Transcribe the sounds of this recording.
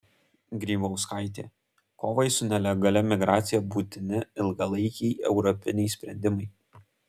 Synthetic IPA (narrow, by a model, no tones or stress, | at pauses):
ɡɾʲiːbɐʊskaɪt̪ʲḛː | koːʋɐɪsʊnʲɛlʲɛɡɐlʲɛmʲɪɡɾaːt̪sʲɪjɛbuːt̪ʲɪnʲɪɪlˠɡɐlˠɐɪkʲɛɪɛʊɾɔpʲɪnʲɛɪsʲpʲɾʲɛ̰nʲd̪ʲɪmɐɪ